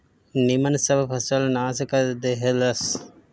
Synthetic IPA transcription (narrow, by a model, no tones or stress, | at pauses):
nimɐnsɐbpʰɐsɐlnaːsɐkɐd̪eɦelɐs